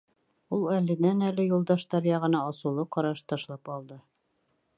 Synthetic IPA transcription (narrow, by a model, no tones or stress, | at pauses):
ulˠælɘ̆nænælɘjulˠd̪ɑʃt̪ɑɾjɑʁɤ̆nɑɑsulˠɤqɑɾɑʃt̪ɑʃlˠɑpɑlˠd̪ɤ